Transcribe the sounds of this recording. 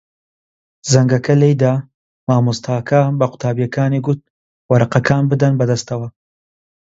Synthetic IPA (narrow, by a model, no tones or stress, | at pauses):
zɐŋɡɐkɐlejd̪a | maːmust̪ʰaːkʰabɐqʊ̥t̪ʰaːbijɐkaːniɡʊt̪̚ | wɐɾɐqɐkʰaːnbɨd̪ɐnbɐd̪ɐst̪ɐwɐ